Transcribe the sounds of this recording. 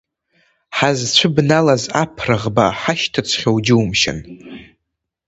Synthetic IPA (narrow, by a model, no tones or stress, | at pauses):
ħazt͡ɕʷʰʊbnalazapʰrɨʁbaħaʃtʰɨt͡sʷʰχʲowd͡ʒɪumʃɪ̰n